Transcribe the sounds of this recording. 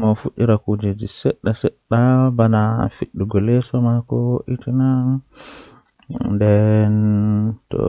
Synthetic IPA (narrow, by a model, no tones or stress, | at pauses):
mafuɗiɾakud͡ʒed͡ʒisɛɗːasɛɗːabanafiɗːuɡɔlɛsɔmakɔwoʔitina | ndɛntɔ̰